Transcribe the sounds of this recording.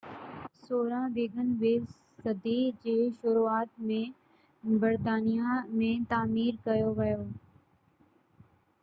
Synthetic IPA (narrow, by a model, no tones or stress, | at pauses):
soːɾãbeːɡənʋeː | sɐd̪id͡ʑeːʃʊɾuaːt̪̚mẽ | bɐɾt̪aːnijamẽt̪aːmiːɾkɐjoʋɐjoː